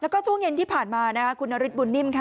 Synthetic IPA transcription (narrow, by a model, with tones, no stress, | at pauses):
lɛ˦˥wkɔː˥˩t͡ɕʰu˥˩əŋje˧nt̪ʰiː˥˩pʰaː˨˩nmaː˧na˦˥kʰa˦˥kʰu˧nːʔa˧ɾi˦˥t̪̚bu˧nːi˥˩mkʰa˦˥˩